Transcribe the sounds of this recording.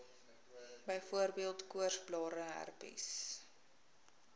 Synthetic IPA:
bəjfuərbiəlˠtkuərsblɑːɾəɦæ̰rpḭs

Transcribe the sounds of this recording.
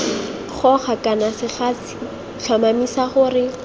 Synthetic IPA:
χɔχakanasɪχaːsi̥ | ɬʰamamisaχʊrɪ

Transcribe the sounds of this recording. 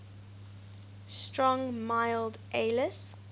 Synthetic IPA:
stɹɔ̃ŋmaɪldʔeɪləs

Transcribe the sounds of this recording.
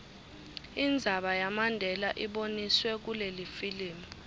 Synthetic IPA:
ind͡zʱaɓajamandʱɛlaʔiɓoniswɛk̬ulelifiliːmi

